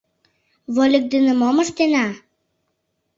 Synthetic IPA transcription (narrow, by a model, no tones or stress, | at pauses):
βolʲə̆k̚d̪ənə̆moməʃt̪enɑ